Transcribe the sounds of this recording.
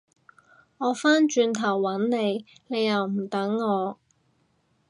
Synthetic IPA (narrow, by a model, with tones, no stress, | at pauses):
ŋɔː˨˧faː˥nt͡ʃyː˧nt̪ʰɐ˨˩wːɐ˨˥nne˨˧jne˨˧jːɐ˨wm̩˨˩t̪ɐ˨˥ŋːɔː˨˧